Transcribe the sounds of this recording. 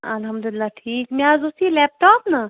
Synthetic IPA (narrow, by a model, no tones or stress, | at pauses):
ɐlɦɐmd̪ulɪlːaːʈʰiːkmeaːzosilɛːp̚ʈaːpnɐ